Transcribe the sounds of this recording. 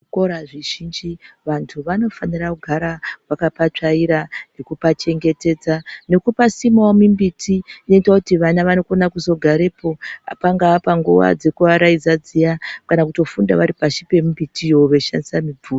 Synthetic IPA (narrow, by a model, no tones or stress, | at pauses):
ko̞ɾaʐiʒind͡ʒiʋantʰuʋano̞fanirakuɡʱaɾawakapat͡ʂaiɾanekupat͡ʃe̞ŋɡe̞te̞ːd͡zane̞kupasimawamimbitʰiino̞itwakutiʋanaʋano̞konakuzo̞ɡʱaɾe̞ːpo̞a̰paŋɡaːpaŋɡuwa̰d͡ze̞kuʋaɾaid͡zad͡zijakanakuto̞funda̰ʋaɾipaʃipe̞mumbitʰijoʋe̞ʃa̰ndisamib͡vuːro